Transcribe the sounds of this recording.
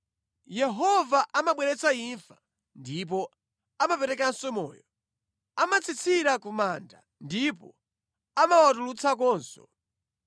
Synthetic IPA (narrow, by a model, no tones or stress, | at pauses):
jɛɦɔvaʔamaɓwɛɾɛt͡saiɱfḁ | ndip̬ɔ | amapɛɾɛkansɔmɔ̰ːjɔ | amat͡sʰit͡sʰiɾakumanda | ndipɔ | amawatulut͡sʰak̬ɔːnsɔ̰̥